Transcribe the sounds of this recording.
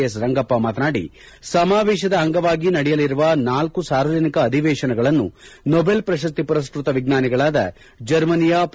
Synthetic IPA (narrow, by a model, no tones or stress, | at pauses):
ɐsɾɐŋɡɐpːɐmaːt̪ɐnaːɽḭ | sɐmaːʋɛːʃɐd̪ɐɦɐŋɡɐʋaːɡinɐɽɛjɐliɾuʋɐnaːlkusaːɾʋɐd͡ʒɐnikɐːd̪ʱiʋɛːʂɐnɐɡɐɭɐnːṵnɔbelpɾɐʃɐst̪ipɐɾɐskɾut̪ɐʋiɡnaːniɡɐɭaːd̪ɐ̰ | d͡ʒɐɾmɐnijap